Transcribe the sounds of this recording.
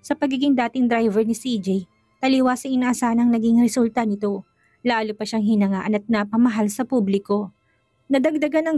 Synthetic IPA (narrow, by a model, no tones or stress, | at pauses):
sɐpɐɡiːɡɪŋd̪aːt̪ɪŋd̪ɾajvɛɹnɪsid͡ʒɛj | t̪ɐliwasɐʔɪnaʔɐsaːhɐnɐŋnɐɡɪŋɾɛsult̪ɐnɪt̪o̞ | laːlʊpɐʃaŋɦɪnɐŋaːʔɐnɐt̪̚napɐmɐɦalsɐpublɪko̞ | nɐd̪ɐɡ̚d̪ɐɡanɐŋ